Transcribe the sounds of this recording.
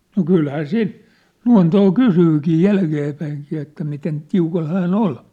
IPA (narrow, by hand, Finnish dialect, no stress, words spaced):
no kylhæː siːn luɑ̝ntoː kusyːkiː jælkeːpæiŋkiː etːæ miten tiukɑl hæːn ol